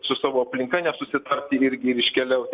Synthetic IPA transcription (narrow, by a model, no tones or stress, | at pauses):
sʊsɑːʋoːɐpʲlʲɪŋkɐnʲɛsʊsʲɪt̪ɐrʲt̪ʲiɪɾʲɡʲɪɪɾɪʃʲkʲɛlʲɛʊt̪ʲ